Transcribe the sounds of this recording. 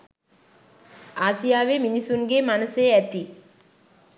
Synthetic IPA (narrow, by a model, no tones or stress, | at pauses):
aːsijaːʋeːminisunɡeːmɐnɐseːɛt̪i